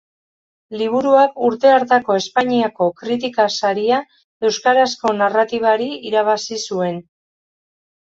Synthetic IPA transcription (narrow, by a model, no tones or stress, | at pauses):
liβ̞uɾuakuɾt̪e̞aɾt̪ako̞e̞spaɲiako̞kɾit̪ikasaɾia | e̞wskaɾasko̞narat̪iβ̞aɾiiɾaβ̞asisue̞n